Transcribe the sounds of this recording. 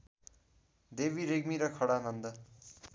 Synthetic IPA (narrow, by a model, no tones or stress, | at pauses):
d̪ebiɾeɡmiɾʌkʰʌɽanʌnd̪ʌ